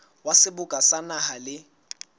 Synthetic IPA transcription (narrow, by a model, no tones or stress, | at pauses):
wasɪbʊkʼasanahalɪ